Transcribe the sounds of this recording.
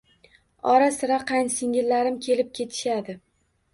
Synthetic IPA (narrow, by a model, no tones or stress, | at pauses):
ɒɾasɪɾaqʰajnsɪŋʲɪlːaɾɪmkʲʰe̞lɪp̚kʲʰe̞t̪ʰɪ̥ʃad̪ɪ